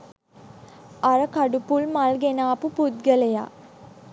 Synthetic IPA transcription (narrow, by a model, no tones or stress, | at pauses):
aɾəkaɖupulmalɡenaːpupud̪̚ɡəleja̰